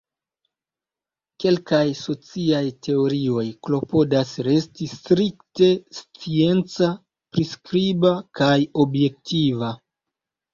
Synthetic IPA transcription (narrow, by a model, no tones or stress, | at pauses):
ke̞lkajso̞t͡siajtʰe̞o̞ɾio̞jklo̞po̞dasɾe̞stistɾikte̞st͡sie̞nt͡sa | pɾiskɾibakajo̞bje̞k̚tʰiva